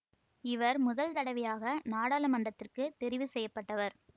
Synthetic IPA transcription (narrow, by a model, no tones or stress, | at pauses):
ɪʋɐɾmʊðɐlt̪ɐɽɐʋɪjaːɣɐnaːɽaːlɐmɐndɐt̪ːɪrkɯt̪ɛɾɪʋɯsɛjːɐpːɐʈːɐʋɐɾ